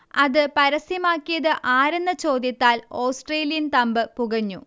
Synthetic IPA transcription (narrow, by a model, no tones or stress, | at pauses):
ɐðɨpɐɾɐsjɐmaːkːijɐðɨʔaːɾenːɨt͡ɕo̞ːd̪jɐt̪ːaːloːsʈreːlijɐnt̪ɐmbɨpuɣɐɲːu